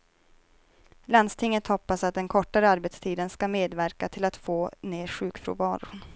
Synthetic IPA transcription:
lanst̪ʰɪŋːət̪hɔpːasat̪̚d̪ɛnkʰɔʈːaɾəaɾbet̪st̪ʰiːd̪ənskameːd̪væɾkat̪ʰɪlat̪foːneːɾɧʉ̟ːkfɾṵːvɑːɾʊ̰n

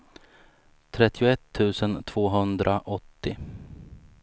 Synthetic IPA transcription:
t̪ʰɾɛt̪ːɪʊɛt̪ʰːʉ̟ːsənt̪ʰv̥oːɦɵnd̪ɾʔaʔɔt̪ːɪ

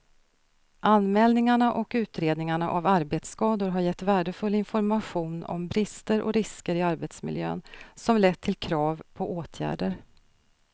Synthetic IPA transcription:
ʔanmɛːlnɪŋaɳaʔɔkʉ̟ːt̪ɾeːd̪nɪŋaɳaʔavaɾbeːt̪skɑːd̪ʊɾɦaɾjɛt̪ːvæːɖəfɵlːɪnfɔɾmaɧuːnɔ̰mbɾɪst̪əɾʔɔ̰ɾɪskəɾɪaɾbeːt̪smɪ̰ljø̰ːnsɔmlɛt̪ʰːɪlkʰɾɑːvpʰɔʔoːt̪ʰjæ̰ːɖəɾ

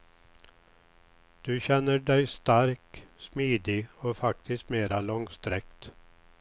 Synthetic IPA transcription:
d̪̥ɵɕɛnːəɖɛjst̪aɾksmiːd̪ɪɔfakt̪ʰɪst̪meːɾalɔŋst̪ɾɛk̚t̪

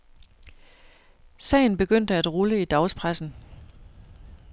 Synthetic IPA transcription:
sɛ̰ɪn̩b̥e̝ɡ̥øn̰d̥əæd̥ʁuləid̥ɑ̈ʊspʰʁasn̩

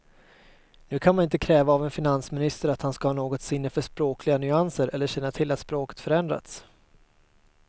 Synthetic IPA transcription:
nʉ̟ːkʰanmanɪnt̪əkʰɾɛːvaːvɛnfɪnansmɪnɪst̪əɾat̪hanskahɑːnoːɡɔt̪sɪnːəfœʂpɾoːkʰlɪɡanʏansəɾʔɛlːəɕɛnːat̪ʰɪlːat̪spɾoːkə̥t̪fœɾɛnd̪ɾa̰t̪s

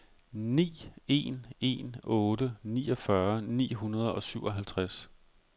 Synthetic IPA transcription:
nḭːe̝̰ne̝̰nɔ̽ːdəniːɒ̽fɶɐnḭːɦunɐð̞ˠɒ̽syʊʔɒ̽ɦælt͡sʰʁas

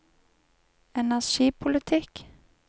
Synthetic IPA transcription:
ɛnæʂiːpʰʊlɪt̪ʰɪk

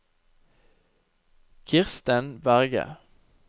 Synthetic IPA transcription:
kʰɪʁst̪ənbæʁɡə̰

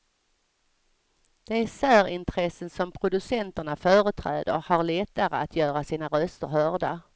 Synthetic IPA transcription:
d̪̥ɛæsæːɾɪnt̪ʰɾɛsːənsɔmpʰɾʊd̪ɵsɛnt̪əɳafœːɾət̪ʰɾɛ̰ːd̪ə̰ɾhaɾlɛt̪ːaɾə̰at̪ʰjœːɾasiːnaɾœst̪əɾɦœɖa

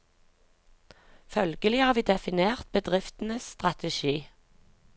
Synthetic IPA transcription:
fœlɡəlɪhɑːʁʋiːd̪ɛfɪneːʁt̪̚bəd̪ʁɪft̪n̩əsst̪ʁɑt̪ʰəʃiː

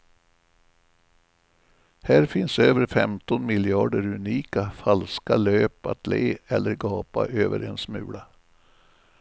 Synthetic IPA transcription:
hæːɾfɪnsøːvəɾfɛmt̪ɔnmɪljɑːɖəɾɵniːkafalskaløːpat̪leːɛlːəɾɡɑːpaʔøːvəɾɛnsmʉ̟ːɽa

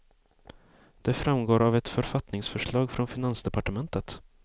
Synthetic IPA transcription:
d̪̥ɛfɾamɡoːɾavɛt̪fœɾfat̪nɪŋsfœʂɭɑːɡfɾɔnfɪnansd̪ɛpaʈəmɛnt̪ət̪

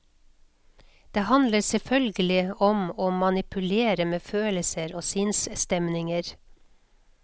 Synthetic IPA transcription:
d̪̥eːhɑnləɾsɛfœlɡəlɪɔmoːmɑnɪpʰʉleːɾəmeːføːləsəɾoːsɪnsst̪ɛmnɪŋəɾ

